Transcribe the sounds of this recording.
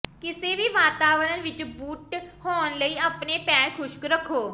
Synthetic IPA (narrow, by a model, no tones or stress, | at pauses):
kɪseːʋiːʋaːt̪aːʋəɾənʋɪt͡ʃbuːʈhoːnləiːəpneːpɛːɾkʰʊʃkɾəkʰːoː